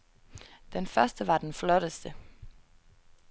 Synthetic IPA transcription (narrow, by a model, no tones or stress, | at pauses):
d̥enfɶɐsd̥əʋɑ̈d̥enflɔɾ̥əsd̥ə